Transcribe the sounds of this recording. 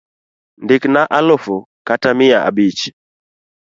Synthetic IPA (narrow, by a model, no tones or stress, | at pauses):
ndiknaʔalɔfu | katamiaʔa̰bit͡ʃi̥